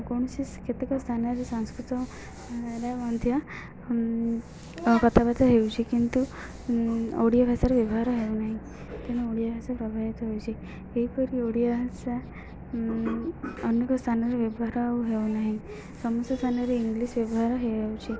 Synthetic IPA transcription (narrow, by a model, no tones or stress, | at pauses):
koɳ̃siskʰet̪ikɔst̪ʰanaɾesə̃w̃skɾut̪ɔ | ɾjamand̪ʱja | kət̪ʰabat͡s̪aɦewt͡ɕikint̪u | o̰ɽijabʱjasaɾʋjebɔɦaɾəɦewnaɦi | t̪enaoɽijabʱjasapɾəbʱaʋit̪ɔɦowt͡ɕi | eipəɾioɽijabʱasa | ənəkɔst̪ʰanaɾeʋjebɦaɾawɦewnaɦi | sɔmɔst̪st̪ʰanaɾeiŋɡlisʋjebɔɦaɾəɦewt͡ɕi